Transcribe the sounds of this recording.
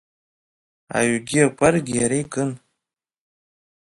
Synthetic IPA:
a̰ɥɡʲiakʷʰʼarɡʲijaɾejkʼɨn

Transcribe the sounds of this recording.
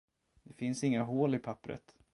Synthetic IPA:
d̪̥ɛfɪnsɪŋːaɦoːlɪpʰapːɾə̰t̪

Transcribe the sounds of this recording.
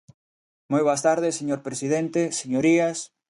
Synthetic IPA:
mojβoast̪aɾðeseɲoɾpɾesiðent̪eseɲoɾias

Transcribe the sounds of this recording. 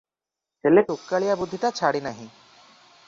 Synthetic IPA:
t͡ʃeleʈokːaɭijabud̪ʱːit̪at͡ɕʰaɽinaɦĩ

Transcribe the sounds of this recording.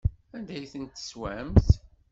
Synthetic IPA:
ænd̪æjθənt̪ːswæmθ

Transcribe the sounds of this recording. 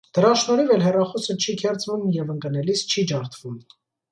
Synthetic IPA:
d̪̥əɾɑʃnɔɾivɛlɦɛrɑχɔsət͡ʃʰikʰɛɾt͡svumjɛvəŋkənɛlist͡ʃʰid͡ʒɑɾt̪ʰvum

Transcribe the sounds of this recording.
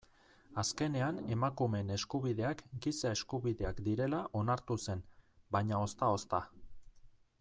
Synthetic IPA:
aske̞ne̞ane̞makume̞ne̞skuβ̞iðe̞akɡisae̞skuβiðe̞akd̪iɾe̞laʔo̞naɾt̪use̞nbaɲao̞st̪ao̞st̪a

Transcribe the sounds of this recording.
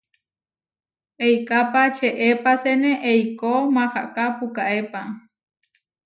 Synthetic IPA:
ejkapat͡ʃʰeʔepaseneʔejkomaxa̰ʔkapukaʔepa

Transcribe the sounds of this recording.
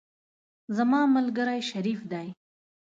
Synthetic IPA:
zamɑmalɡəɾajʃaɾifd̪aj

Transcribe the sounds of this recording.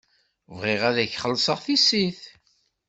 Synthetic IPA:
vʁɪʁæðæçχəlːsˤəʁθisiθ

